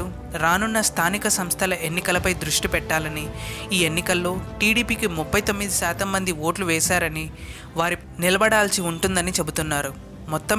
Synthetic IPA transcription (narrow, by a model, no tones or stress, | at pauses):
u | ɾaːnunːɐst̪ʰaːnikɐsɐmst̪ʰɐlɐʔenːikɐlɐpɐjd̪ɾuʂʈipɛʈːaːlɐniiːe̞nːikɐlːo̞ːʈiːɽiːpiːkimupʰːɐjt̪o̞mːid̪iʃaːt̪ɐmːɐnd̪iʋo̞ːʈluʋɛːsaːɾɐni | ʋaːɾi | nilɐbɐɽaːlsiuɳʈund̪ɐnit͡ʃe̞but̪unːaːɾu | mɔt̪ːɐ